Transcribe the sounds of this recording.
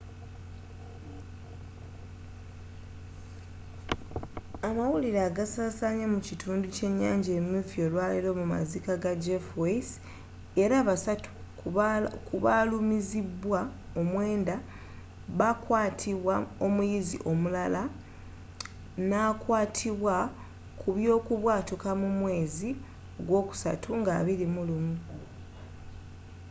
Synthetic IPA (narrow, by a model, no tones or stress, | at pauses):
amawuliɾaːɡasaːsaɲamucitʰuːnduce̞ɲːa̰ːɲɟeːmufio̞ːlwaːliɾo̞muma̰zikaɡad͡ʒefwes | e̞ɾaːβasatu̥ | kuβalumizibwa | omwe̞ːnda | βakwaːtʰiβwao̞mujizḭʔo̞mulala | nakwaːtʰiβwa | kʰuβjo̞ːkuβwaːtukamumwe̞ːzi | oɡwo̞ːku̥sa̰tʰuŋɡaːβiɾimulumu